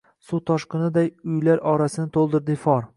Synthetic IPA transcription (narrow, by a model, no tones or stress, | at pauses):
sut̪ʰɒʃqɨnɪd̪ajʊjlaɾɒɾasɪnɪt̪ʰolˠd̪ɪɾd̪ɪfɒɾ